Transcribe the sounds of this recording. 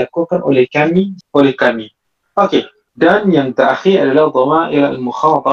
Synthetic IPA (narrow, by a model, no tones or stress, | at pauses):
akukanʔo̰lɛkamiʔolɛhkami | ʔoke | danjaŋt̪aʔxiɾallad̪ˤɔmaʔiɾaalmʊxɑːt̪ˤɑ